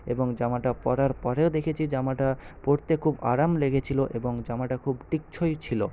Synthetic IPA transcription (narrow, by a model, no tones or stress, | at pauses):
eboŋd͡ʑamaʈapɔɾaɾpɔɾeod̪ekʰet͡ɕʰid͡ʑamaʈapoɾt̪ekʰuba̰ɾamleɡet͡ɕʰiloʔeboŋd͡ʑamaʈakʰubʈik̚t͡ɕʰojt͡ɕʰilo